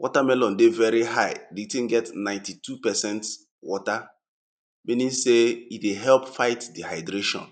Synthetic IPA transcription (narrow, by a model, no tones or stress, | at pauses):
wʔɔtamɛlɔ̃ndevɛɹiɦaɪdiitĩnɡɛtnãɪ̃ntitʰupɛsɛ̃nt | wɔta | mĩnĩnseitdeɦɛlpfaɪtdihaɪdɹeʃɔ̰̃n